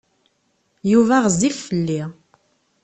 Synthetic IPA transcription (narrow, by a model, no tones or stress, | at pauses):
juvæʁəziffəlːi